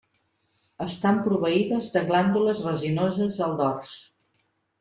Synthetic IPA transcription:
əst̪ampɾuβəiðəzd̪əɣland̪uləzrəzinozəzəlˠd̪ɔrs

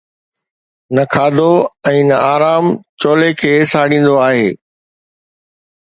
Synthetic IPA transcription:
nɐkʰaːd̪oɛ̃ːnɐaːɾaːmt͡ɕoːlekʰeːsaːɽĩːn̆d̪oaːɦeː

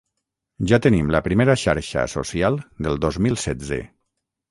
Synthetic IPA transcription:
ʒat̪ənimləpɾimeɾəʃaɾʃə̰so̰sialˠd̪əlˠd̪ozmilˠsɛdd͡zḛ

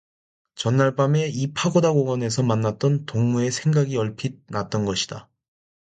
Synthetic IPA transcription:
t͡ɕʌnːaɭp͈ame̞ipʰaɡodaɡoɡʌne̞sʰʌmanːat̚t͈ʌntoŋmue̞sʰe̞ŋɡaɡiʌɭpʰid̚nat̚t͈ʌnɡʌɕʰida

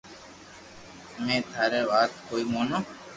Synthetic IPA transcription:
mẽːt̪ʰaːɾeːʋaːt̪koːiːmoːnõː

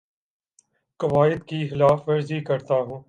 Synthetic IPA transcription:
kɐʋaːɪd̪kixɪlaːfʋɐɾzikɐɾt̪aːɦũː

